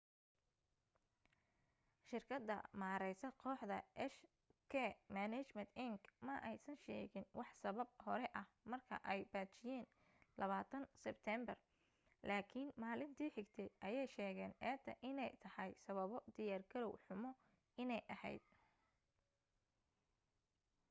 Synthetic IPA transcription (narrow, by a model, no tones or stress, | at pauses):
ʃɪrkʰɐd̪ːɐ̰maːɾɛjsɐqʰɔːħd̪ɐʔɛʃ | kʰɛmanɛt͡ʃmɛnt̪ɪŋɡmɐʔɛjsɐnʃɛ̰ːɣɪnwɑħsɐβɐb̚hɔɾɛʔɐhmɐrkʰɐ̰ʔɛjbaːt͡ʃɪjɛːn | lɐβaːt̪ʰɐnsɛbt̪ʰɛmbɐr | lʔaːkʰɪnmaːlɪnt̪ʰiːħɪɡt̪ʰɛjʔɐjɛjʃɛːɣɛːnʔɛːt̪ʰɐʔɪnɛjt̪ʰɐhɐjsɐβɐβɔd̪ɪjaːrɡʰɐɾɔwħʊmɔ | ɪnɛjʔɐhɛ̰jd̪̥̚